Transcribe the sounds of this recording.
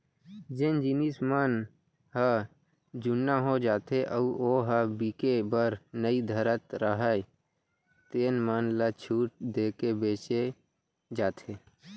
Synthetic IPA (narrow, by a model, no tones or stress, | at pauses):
d͡ʒend͡ʒinismən | ɦə | d͡ʒʊnːaɦod͡ʒaːt̪ʰeʔəuoːɦəbiːkebəɾnəid̪ʱəɾət̪ɾəɦə | t̪eːnmənlat͡ʃʰuːʈ̚d̪eːkebeːt͡ʃe | d͡ʒaːt̪ʰeː